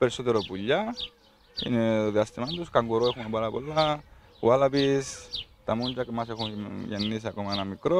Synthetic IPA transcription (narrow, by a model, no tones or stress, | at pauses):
peɾisot̪eɾopuʎːa | ḭneoðiast̪imant̪uskaŋɡoɾoexumepaɾapo̰lːa | walapist̪amuɲd͡ʒakmasexujenːis̬iakomaenamikɾo